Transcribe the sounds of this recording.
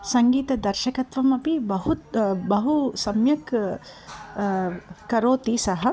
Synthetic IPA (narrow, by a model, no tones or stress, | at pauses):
sɐŋɡiːt̪ɐd̪ɐɾʃɐkɐt̪ʋɐmɐpibɐɦut̪bɐɦusɐmjɐk | kɐɾoːt̪isɐɦɐ̆